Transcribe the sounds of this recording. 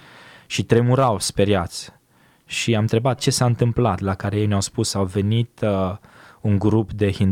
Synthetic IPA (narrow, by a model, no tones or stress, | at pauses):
ʃit̪ɾe̞muɾawspe̞ɾjat̪sʲ | ʃiamɨnt̪ɾe̞bat̪̚t͡ʃe̞saɨnt̪ɨmplat̪lakaɾejejneawspusawve̞nit̪ | uŋɡɾupd̪e̞hin